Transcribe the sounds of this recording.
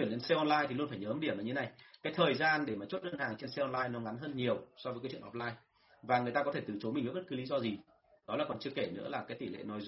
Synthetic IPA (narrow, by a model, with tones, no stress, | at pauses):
i˧˩nle˧nsɛ˧ʔɔ˧nlaː˧jt̪ʰi˨˩lu˧ənfaː˧˩ɲəː˨˦mɗi˧˩əmlaː˨˩ɲɨ˧e˦na˨˩jkaː˨˦jt̪ʰəː˨˩jzaː˧nɗe˧˩maː˨˩t͡ɕo˦˥t̚ɗəː˧nhaː˨˩ŋt͡ɕe˧nsɛ˧ʔɔ˧nlaː˧jnɔ˨˦ŋa˨˦nɦəː˧nɲi˨˩əwsɔ˧vəː˨˦kːaː˨˦t͡ɕw̰ɔ˧˩t̚laː˧j | vaː˨˩ŋɨ˨˩əjt̪aː˧kɔ˨˦t̪ʰe˧˩t̪ɨ˨˩t͡ɕo˨˦mï˨˩ŋv̚ɓt̚kːɨ˨˦li˨˦zɔ˧zi˨˩ | ɗɔ˨˦laː˨˩kɔ˨˩nt͡ɕɨ˧əke˧˩nɨ̰˧˥əlaː˨˩kaː˨˦t̪i˧˩lḛ˧˨nɔ˨˦jz